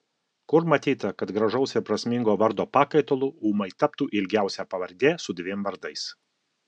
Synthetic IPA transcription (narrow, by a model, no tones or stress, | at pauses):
kʊɾmɐt̪ʲiːt̪ɐkɐt̪ɡɾɐʒɐʊsʲɛpɾɐsʲmʲɪŋɡoːʋɐɾd̪oːpɑːkɐɪt̪oːlˠʊuːmɐɪt̪ɐpt̪uːʔɪlʲɡʲæˑʊsʲɛːpɐʋɐɾʲd̪ʲeːsʊd̪ʲʋʲemʋɐɾd̪ɐɪs